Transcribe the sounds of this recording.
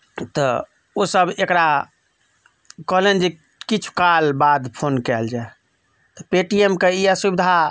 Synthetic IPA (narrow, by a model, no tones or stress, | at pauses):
t̪ɔ | osəbekɾa | kɔɦlend͡ʒe | kit͡ʃʰu̥kalbad̪pʰonkɛld͡ʒae | t̪ɔpeʈiemkeiasubid̪ʱa